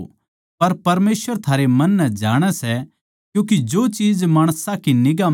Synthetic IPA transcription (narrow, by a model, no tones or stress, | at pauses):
pɐɾpɐɾmeːsʋəɾt̪ʰaːɾemɐ̃nːɛd͡ʒaːɽ̃ɛsɛ | kjũːkid͡ʒoːt͡ʃiːd͡ʒmaːɽ̃sãkinɪɡa